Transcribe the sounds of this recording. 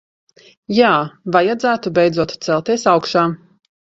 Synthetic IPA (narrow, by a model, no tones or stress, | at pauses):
jaːvajad̪zæːt̪ubɛjd̪zuɔt̪t̪sɛlˠt̪iɛsawkʃaː